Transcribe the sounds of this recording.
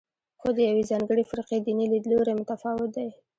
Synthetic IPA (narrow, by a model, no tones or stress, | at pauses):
xod̪əjawezɑŋɡəɽefɾiqed̪inilid̪loɾemʊt̪afɑwɪt̪̚d̪aj